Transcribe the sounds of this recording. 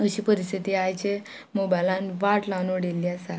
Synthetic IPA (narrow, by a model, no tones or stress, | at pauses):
əɕiːpəɾist̪ʰit̪iajt͡ɕe | mobajlãnʋaʈlanoɽelːiasa